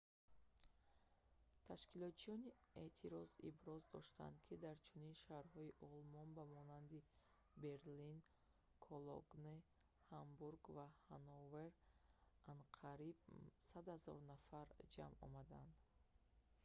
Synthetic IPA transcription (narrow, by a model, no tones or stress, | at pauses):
t̪ʰaʃkilɔt̪t͡ʃiɔniet̪ʰiɾɔzḭbɾɔzd̪ɔʃt̪a̰nd̪kʰid̪aɾt͡ʃʰuninʃahɾhɔiʔɔlmɔnbamɔnand̪i | be̞ɾlin | kʰɔlɔ̰ɡne | hambuɾɡvahanɔveɾʔanqʰaɾib̚sad̪hazɔ̰ɾnafaɾd͡ʒamɔ̰mad̪and̪